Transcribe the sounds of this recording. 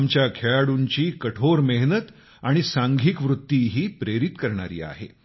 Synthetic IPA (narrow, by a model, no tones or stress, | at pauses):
mt͡ɕjakʰeɭaɽuɲt͡ɕiːkəʈʰoɾmeɦnət̪ | aɽ̃isaŋɡʱiːkʋɾut̪ːiːɦiːpɾeɾit̪kəɾɳa̰ɾḭːa̰ɦḛ